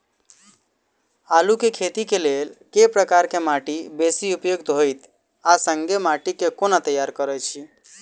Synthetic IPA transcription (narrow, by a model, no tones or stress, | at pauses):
alukekʰet̪ikelelkepɾəkaɾkemaʈibesiupjoɡ̚t̪ɦojt̪ | asə̃ŋɡemaʈikekonat̪əjaɾkəɾət͡ʃʰi